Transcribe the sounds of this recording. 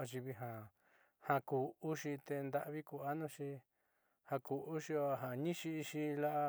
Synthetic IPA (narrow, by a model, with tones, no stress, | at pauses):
a˧ʃ̬i˧βi˧ɦã˨ | hã˧kuː˨u˦ʃi˧t̪e˧nd̪a˦˧ʔβi˦ku˧a˦nũ˦ʃi˧ | hã˧ku˨u˦ʃi˧o˧ɦã˨ɲĩ˦ʃi˧i˧ʃi˧la˦ʔa˧